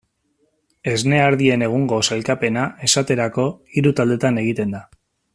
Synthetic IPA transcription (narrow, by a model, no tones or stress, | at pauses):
e̞zne̞aɾðie̞ne̞ɣ̞uŋɡo̞salkape̞nae̞sat̪e̞ɾako̞iɾut̪ald̪e̞t̪ane̞ɣ̞it̪e̞nd̪a